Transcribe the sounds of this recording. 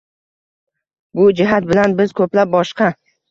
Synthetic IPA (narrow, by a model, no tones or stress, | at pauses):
bʊd͡ʒɪɦat̪̚bɪlanbɪz̥kʰɵplap̚bɒʃqɑ